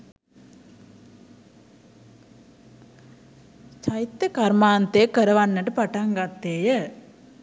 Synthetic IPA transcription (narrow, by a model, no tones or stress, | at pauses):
t͡ʃɐjt̪ːɐkɐɾmaːnt̪eːkɐɾɐʋɐnːɐʈɯpɐʈɐŋɡɐt̪ːeːjɐ